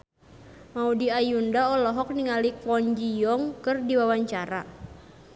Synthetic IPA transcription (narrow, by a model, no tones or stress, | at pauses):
maudiajundaɔlɔɦɔk̚niŋalikɔɲd͡ʒijɔŋkɨrdiwawaɲt͡ʃaɾa